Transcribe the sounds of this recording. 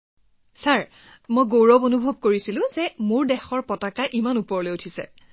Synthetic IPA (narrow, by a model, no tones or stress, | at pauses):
saɹ | mojɡowɹɔbonubʱɔb̚koɹisilʊ̃zɛmuɹdɛxɔɹpɔtakaʔimanupɔɹɔlojutʰisɛ̰